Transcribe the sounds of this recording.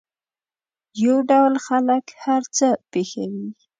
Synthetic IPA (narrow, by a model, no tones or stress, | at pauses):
jawɖawlxaləkhaɾt͡səpexa̰wi